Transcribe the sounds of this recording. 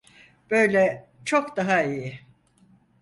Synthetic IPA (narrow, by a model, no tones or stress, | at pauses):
b̥ø̞jlʲɛ | t͡ʃʰokd̪aɦaijɪ